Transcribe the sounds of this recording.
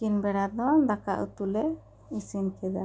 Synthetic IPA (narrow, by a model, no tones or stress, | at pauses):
kinbɛɽad̪ɔd̪aka̰ʔṵt̪ulɛ | isinkɛd̪a